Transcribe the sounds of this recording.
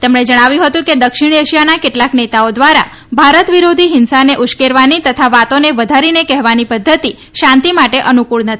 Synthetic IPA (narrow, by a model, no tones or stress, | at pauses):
t̪emɳed͡ʒəɽ̃aʋjũɦət̪ũked̪əkʃɪɳeʃijanakeʈlaknet̪aod̪ʋaɾa̰ | bʱaɾət̪ʋiɾod̪ʱiɦɪnsaneʔʊʃkeɾʋanit̪ət̪ʰaʋat̪oneʋəd̪ʱaɾinekɛɦʋanipəd̪ʱːət̪i | ʃãnt̪imaʈeʔənukuɭnət̪ʰii̥